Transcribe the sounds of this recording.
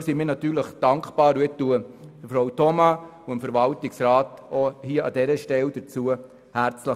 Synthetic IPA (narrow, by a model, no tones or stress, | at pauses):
simiːɾnɑt̪yːɾləχd̥ɑŋkpɑːɾuetuəd̥əfɾoʊwtɔmɑuəmfəɾvɑltɪksɾɑːtɔhiəɑ̰dɛɾəʃtɛld̥əɾt͡suə | hæɾt͡slə